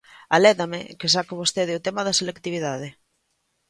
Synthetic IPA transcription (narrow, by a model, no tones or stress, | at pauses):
alɛðamḛkes̬akɪβ̞ost̪eðɪut̪emaðɐselekt̪iβ̞iðaðe